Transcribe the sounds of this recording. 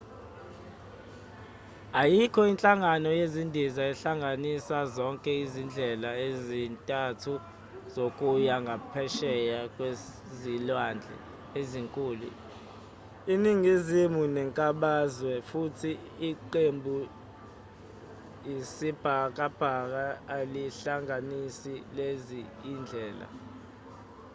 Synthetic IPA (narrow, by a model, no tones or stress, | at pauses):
ajikʰɔint͡ɬʼaŋanɔjezindʱizaɛɬaŋɡʱanisazɔŋkʼɛizind͡ɮʱɛlaezintʼatʰu | z̥okʼujaŋɡʱapʰɛʃɛjakʼwe | zilwand͡ɮʱɛ̰ | eziŋkʼuːlṵ | iniŋɡʱizimunɛŋkʼaɓazwɛfutʰiː | ǃembʱu | jisib̥ʱak̬ʼab̥ʱak̬aːliɬaŋʱanisileziind͡ɮʱɛːla̰